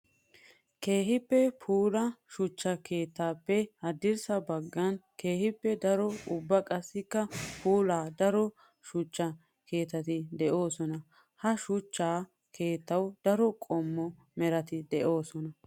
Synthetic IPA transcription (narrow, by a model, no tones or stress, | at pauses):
ke̞ːhɪpːɛpʰuːlɐʃʊt͡ʃːɐke̞ːt̪ːaːpːɛhɐd̪ɪɾsɐbɐɡːɐnke̞ːhɪpːɛd̪ɐɾɔʊbːɐkʼɐsːɪkːɐpʰuːlaːd̪ɐɾɔ | ʃʊt͡ʃːɐ | kʰe̞ːt̪ːɐt̪ɪd̪ɛʔo̞ːsɔnɐ | hɐʃʊt͡ʃːaː | kʰe̞ːt̪ːɐwd̪̥ɐɾɔkʼɔmːɔ | mɛɾɐt̪ɪd̪ɛʔo̞ːsɔnɐ